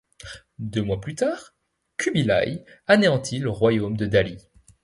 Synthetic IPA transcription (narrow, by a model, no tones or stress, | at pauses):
d̪ømwaplyt̪aːʁ | kʲybila̰janeɑ̃t̪ʰiləʁwajomd̪əd̪ali